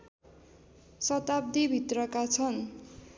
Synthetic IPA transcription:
sʌt̪ab̚d̪ibʱit̪rʌkat͡sʰʌn

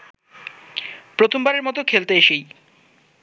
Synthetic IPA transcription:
pɾot̪ʰombaɾeɾmɔt̪okʰelt̪eeʃej

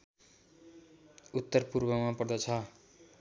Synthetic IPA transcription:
ut̪ːʌrpurbʌmapʌrd̪ʌt͡sʰʌ

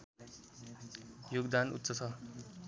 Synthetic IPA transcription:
joɡd̪anṵt̪ːsʌt͡sʰʌ

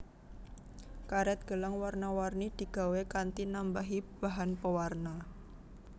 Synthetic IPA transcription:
kaɾɛt̪̚ɡ̥əlaŋwarnawarnid̪̥i̤ɡ̥a̤wekant̪inambaɦib̥aɦanpəwarna

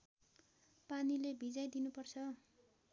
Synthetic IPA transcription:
panilebʱid͡zajd̪inupʌrt͡sʰʌ

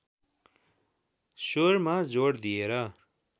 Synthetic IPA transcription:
sormad͡zoɽd̪ieɾʌ

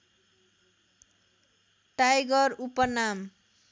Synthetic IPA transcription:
ʈajɡʌɾupʌnam

